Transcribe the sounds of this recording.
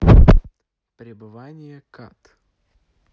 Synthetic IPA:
pɾʲɪbɨvanʲɪjəkat̪

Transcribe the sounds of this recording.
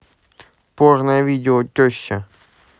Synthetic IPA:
poʐnəjəvʲidʲɪotʲoɕːə

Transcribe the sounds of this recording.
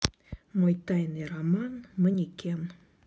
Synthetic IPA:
mojt̪ɑjneɾamɑnmə̆nʲikʲem

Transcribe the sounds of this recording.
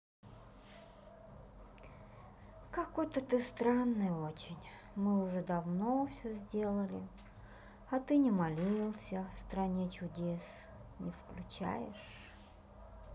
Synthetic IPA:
kakot̪ət̪ɨst̪ɾanːɨjəot͡ɕɪnʲ | mɨʊʐɛd̪ɐvnofsʲɵzʲdʲe̞lˠəlʲɪ | ɐt̪ɨnʲɪmɐlʲilˠsʲəfst̪ɾɐnʲet͡ɕʊdʲes | nʲɪfklʲʉt͡ɕæ̰jɪʂ

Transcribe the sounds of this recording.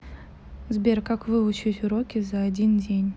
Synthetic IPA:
zbʲerkakvɨʊt͡ɕitʲʊɾokʲɪzaːdʲindʲenʲ

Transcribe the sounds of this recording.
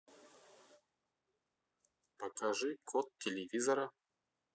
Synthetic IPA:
pɐkaʐɨkʰot̪̚tʲːɪlʲɪvʲizɐɾɐ

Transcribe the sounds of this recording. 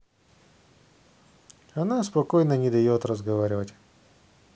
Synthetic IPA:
ɐnaspɐkojnənʲɪd̪ɐjot̪rəzɡɐvaɾʲɪvətʲ

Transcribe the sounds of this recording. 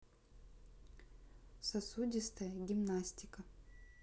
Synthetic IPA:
sɐsudʲɪst̪əjəɡʲɪmnasʲtʲɪkə

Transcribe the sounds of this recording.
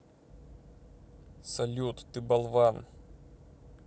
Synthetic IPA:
sɐlʲut̪ːɨbɐlˠvan

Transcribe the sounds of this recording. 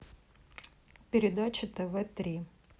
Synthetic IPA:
pʲɪɾʲɪd̪at͡ɕɪt̪ɛvɛt̪ɾʲi

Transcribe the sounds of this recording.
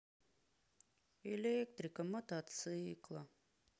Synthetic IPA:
elʲekt̪ɾikamɔt̪at̪sɨːklˠa

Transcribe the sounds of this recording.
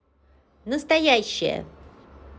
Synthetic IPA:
nəst̪ɐjaɕːɪ̰jə̰

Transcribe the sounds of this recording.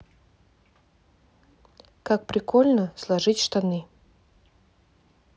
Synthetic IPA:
kak̚pɾʲɪkolʲnəslˠɐʐɨtʲʂt̪ɐnɨ

